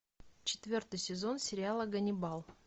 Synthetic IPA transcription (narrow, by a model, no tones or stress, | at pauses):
t͡ɕɪ̥t̪vʲo̞rt̪ɨjsʲɪzo̞nsʲɪɾʲɪalˠəɡənʲɪbalˠ